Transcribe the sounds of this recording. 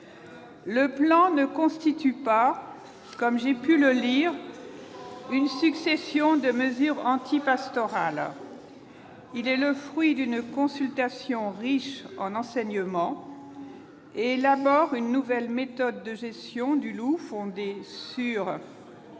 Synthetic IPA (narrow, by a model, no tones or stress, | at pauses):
ləplɑ̃nəkɔ̃st̪it̪ypa | kɔmʒepyləliːʁ | ynsyksesjɔ̃d̪əməzyʁɑ̃t̪ipast̪ɔʁal | ilɛləfχɥid̪ynkɔ̃sylt̪asjɔ̃ʁiʃɑ̰̃nɑ̃sɛɲəmɑ̃ | eːlabɔʁynːuvɛlmet̪ɔd̪ːəʒɛst̪jɔ̃d̪ylufɔ̃d̪essyʁ